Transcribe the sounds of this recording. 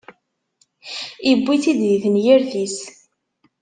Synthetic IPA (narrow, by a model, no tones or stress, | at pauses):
ibːiθid̪jiθənjiɾθis